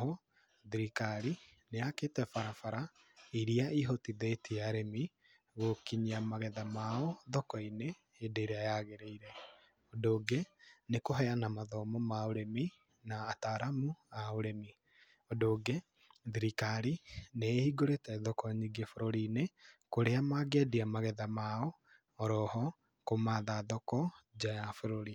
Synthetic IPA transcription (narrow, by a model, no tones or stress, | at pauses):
ɦɔ | ðiɾikaɾineaketɛfaɾafaɾa | iɾiaiɦotiðɛtiaɾemi | ɣokiɲiamaɣɛðamaɔðɔkɔineː | deɾeajaɣeɾeiɾɛ | odoːɡenekoɦɛanamaðɔmɔmaoɾemi | naːtaɾamuaoɾemi | ɔdoːɡe | ðiɾikaɾinehiɡoɾetɛðɔkɔɲiɡefoɾoɾinekoɾeamaɡɛdiamaɣɛðamaɔ | ɔɾɔhɔ | komaðaðɔkɔd͡ʒajafoɾoɾi